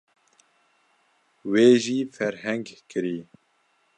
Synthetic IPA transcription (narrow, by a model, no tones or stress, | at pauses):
weːʒiːfɛɾɦɛŋɡkɨɾiː